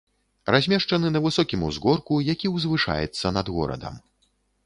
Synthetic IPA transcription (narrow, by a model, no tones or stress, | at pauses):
razʲmʲɛʂt͡ʂɐnɨnɐvɨsɔkʲimuzɣɔrkujakʲiwzvɨʂa̰jɛ̰t̪sːɐnɐd̪ɣɔ̰ɾɐ̰d̪ɐ̰m